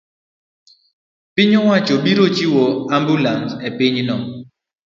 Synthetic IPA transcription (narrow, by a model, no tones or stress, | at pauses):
pɪɲɔwat͡ʃoɓiɾot͡ʃiwɔambulansɛpɪɲnɔ